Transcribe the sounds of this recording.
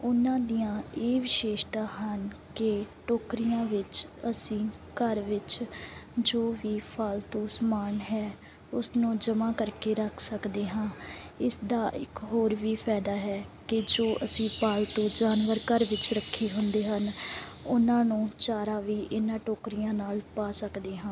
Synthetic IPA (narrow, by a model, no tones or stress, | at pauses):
ʊnãːd̪ijãːeːʋɪʃeːʃt̪ãːɦənkɪʈoːkɾijãːʋɪt͡ʃəsĩː | kəɾʋɪt͡ʃ | d͡ʒoːʋiːpʰalt̪õːsəmaːnɦɛː | ʊsnũːd͡ʒəmãːkəɾkeːɾəkʰsəkd̪eːɦãː | ɪsd̪aːʔɪ̰kɦoːɾʋiːpʰɛːd̪aːɦɛːkɪd͡ʒoːʔəsĩːpaːlt̪õːd͡ʒaːnʋəɾkəɾʋɪt͡ʃɾəkʰːeːɦʊ̃nd̪eːɦən | ʊnãːnũːt͡ʃaːɾaːʋiːʔɪnãːʈoːkɾijãːnaːlpaːsəkd̪eːɦãː